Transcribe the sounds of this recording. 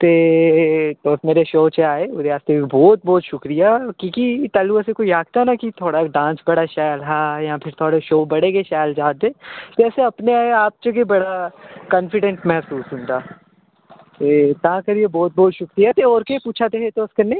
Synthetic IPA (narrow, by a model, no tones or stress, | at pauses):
t̪eː | t̪oːsmeːɾeʃoːt͡ʃeaːeʊɾeaːst̪ebɔːt̪̚bɔːt̪ʃʊkɾijakikit̪aːluɛsekoːijaːk̚t̪aɦnakit̪ʰoːɽaɖãːnsbɐɽaʃaːjlɦaːjãpʰɪɾt̪ʰoːɽeʃoːbɐɽekeʃaːld͡ʒaːẽːt̪oɛːseɐpneaːeaːp̚t͡ʃekebɐɽakɐ̃nfɪɖə̃ɳʈmɛɦsuːsɦʊ̃nt̪aː | t̪eːt̪ɐɦãkɐɾijebɔːt̪̚bɔːt̪ʃʊkɾijat̪eɔːɾkepuːt͡ʃʰat̪eɦet̪oːskɐɾneː